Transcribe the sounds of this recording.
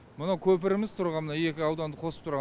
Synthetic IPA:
mənɑwkʲʰɵp̬ɪɾɪmɪzt̪ʰʊɾʁɑnmənɑe̞kʲɪɑwd̪ɑnd̪əqʰo̞sə̥pt̪ʰɾʁ

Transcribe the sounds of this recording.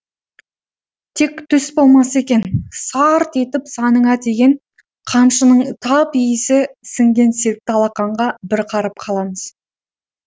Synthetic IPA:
t̪ʰe̞kt̪ʰʏsbo̞lˠmɑse̞kʲe̞nsɑɾt̪e̞t̪ɪpsɑnəɴɑd̪e̞ɡʲe̞n | qʰɑmʃənəɴt̪ʰɑpijɪsɪsɪŋɡʲe̞nseɾɪk̚t̪ɑlˠɑqɑɴʁɑbɪɾqʰɑɾəp̚qʰɑlˠɑməz̥

